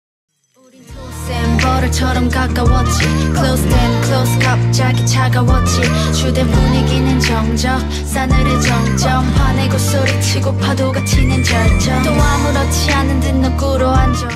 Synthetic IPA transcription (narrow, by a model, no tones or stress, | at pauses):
oɾikʰosembʌɾɯt͡ɕʰʌɾʌmkak͈awʌt͡ɕʰikʰlosemkʰɯloskapt͡ɕaɡit͡ɕʰaɡawʌt͡ɕʰit͡ɕudemoɲiɡinɯnt͡ɕʌŋd͡ʑʌ | s͈anɯɾet͡ɕʌŋd͡ʑʌmpaneɡos͈oɾɯt͡ɕʰiɡopʰadoɡat͡ɕʰinɯnt͡ɕʌɭt͡ɕʌt̪͈oamuɾʌt͡ɕʰianɯndɯnːɯk͈uɾoɦand͡ʑʌ